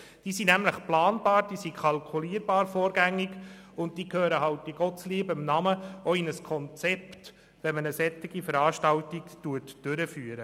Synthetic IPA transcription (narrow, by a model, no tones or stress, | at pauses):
d̥iːsinæmləχplɑːnb̥ɑːɾd̥iːsikʰɑlkʰuliːəɾb̥ɑːɾfɔːɾɡæŋːɪɡ | ʊnt̚d̥iːkhøːɾəɦɑwt̚ːiɡ̥ɔtsliːbəɪmnɑməɔɪnəskʰɔnt͡sɛpt | ʋɛnmənəsɛtɪɡifəɾɑːʃtɑwtiktuətd̥ʏɾəfyːəɾə